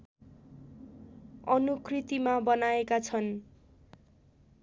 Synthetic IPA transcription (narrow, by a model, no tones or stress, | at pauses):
ʌnukrit̪imabʌnaekat͡sʰʌn